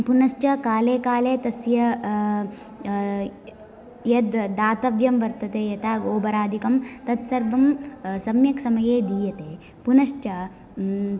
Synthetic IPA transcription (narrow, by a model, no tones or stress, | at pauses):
punɐʂt͡ʃɐkaːleːkaːleːt̪ɐsjɐ | jɐd̪d̪aːt̪ɐʋjɐmʋɐɾt̪ɐt̪eːjɐt̪aːɡoːbɐɾaːd̪ʱikɐmt̪ɐt̪sɐɾʋɐmsɐmjɐksɐmɐjeːd̪iːjɐt̪eː | punɐʂt͡ʃɐ